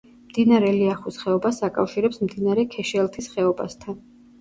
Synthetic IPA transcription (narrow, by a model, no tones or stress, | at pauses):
md̪̥inaɾɛliaχusχɛɔbasakʼa̰fʃiɾɛpsmd̪inaɾɛkʰɛʃɛlˠt̪ʰisχɛɔba̰st̪ʰan